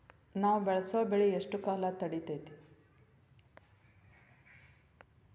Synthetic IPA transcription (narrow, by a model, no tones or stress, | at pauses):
naːʋubɛɭɐsoːbeɭieʂʈukaːlat̪ɐɽit̪ejt̪i̥